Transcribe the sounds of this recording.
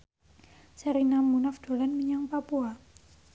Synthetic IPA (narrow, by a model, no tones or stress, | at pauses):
səɾinamunafd̪̥o̤lanməɲaŋpapua